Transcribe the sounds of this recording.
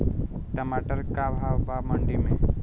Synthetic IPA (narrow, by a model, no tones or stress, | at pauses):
kɐmaːʈəɾkabʱaʋbaːməɳɖimẽ